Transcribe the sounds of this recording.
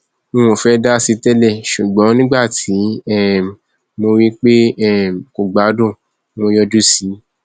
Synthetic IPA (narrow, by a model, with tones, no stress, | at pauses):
ũ˦˧w̃õ˨fɛ˦da˦si˧tɛ˦lɛ˦˨ʃu˨ɡ͡bɔ̃˨˦nĩ˦ɡ͡ba˦˨tʰi˨˦ɛ˦˨ | mo˧wi˦k͡pe˦ɛ˦˨ko˨ɡ͡ba˨˦dõ˦˨ | mo˧jɔ˧d͡ʒu˦si˨˦